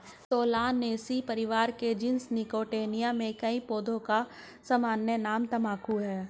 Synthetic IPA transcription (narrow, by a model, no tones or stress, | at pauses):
t̪oːlaːnːeːsipɐɾɪʋaːɾked͡ʒɪnsnɪkoːʈeːnijamẽkɐĩpoːd̪ʱõka | sɐmaːnjənaːmt̪ɐmaːkʰuɦɛː